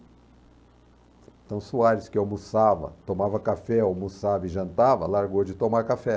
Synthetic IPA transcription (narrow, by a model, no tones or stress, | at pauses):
t̪ɐ̃w̃suaɾɪskɪomusavɐ̰t̪omavɐkafɛomusavɐɪʒɐ̃nt̪avɐ̰laɾɡod͡ʒɪt̪õmaɾkafɛ